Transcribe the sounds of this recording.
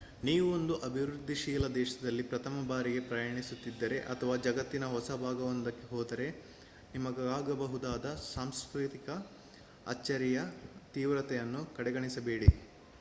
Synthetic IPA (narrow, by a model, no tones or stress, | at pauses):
niːʋuond̪uʔɐbʱiʋɾɾud̪ʱːiʃiːlɐd̪ɛːʃɐd̪ɐlːipɾɐt̪ʰɐmɐbaːɾiɡe̞pɾɐjɐːɳisut̪ːid̪ːɐɾe̞ʔɐt̪ʰɐʋaːd͡ʒɐɡɐt̪ːinɐɦɔsɐbʱaːɡɐʋɐnd̪ɐkːeɦɔːd̪ɐɾe̞ | nimɐɡɐaːɡɐbɐɦud̪aːd̪ɐsaːmskɾit̪ikɐ | ɐ̰t͡ʃːɐɾijɐt̪iːʋɾɐt̪ɛjɐnːukɐɽɛɡɐɳisɐbe̞ːɽi